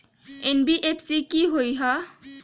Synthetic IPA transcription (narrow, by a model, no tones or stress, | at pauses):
enbiʔepʰsikiɦojɦa